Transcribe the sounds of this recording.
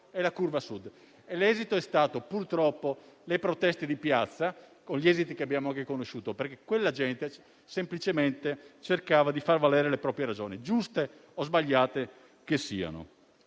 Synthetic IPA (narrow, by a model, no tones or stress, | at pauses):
ɛlakurvasud̪ | elɛːzit̪oɛst̪aːt̪opurt̪ɾɔpːolepɾot̪ɛst̪ed̪ipjat̪sːakonʎiɛːzit̪ikeabjaːmoaŋkekonoʃːuːt̪operk̟ekwelːad͡ʒɛnt̪e | semplit͡ʃement̪et͡ʃerkaːvad̪ifarvalɛːɾelepɾɔːpɾjeɾad͡ʒoːnid͡ʒust̪e | ozbaʎːaːt̪e | kesiːa̰no̰